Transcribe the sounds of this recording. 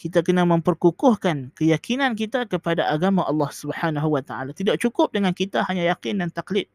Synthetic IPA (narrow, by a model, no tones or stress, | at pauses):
kit̪akənamə̃mpərkukʊhkankəjakʰinãnk̬it̪akəpadaʔaɡamaʔɑlːɑhsubəhanaɦuwat̪aa̰lat̪idaʔ̚t͡ʃukʊp̚dəŋankit̪ahaɲãjakɪndant̪aklɪt̪̚